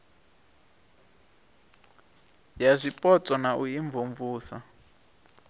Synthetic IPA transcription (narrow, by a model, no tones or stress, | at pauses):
jazʷipʼɔt͡sʼɔnaʔuiɱvuɱvuːsa̰